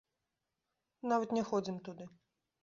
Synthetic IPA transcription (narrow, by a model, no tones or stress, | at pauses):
navɐt̪nʲɛxɔd͡zʲimt̪ud̪ɨ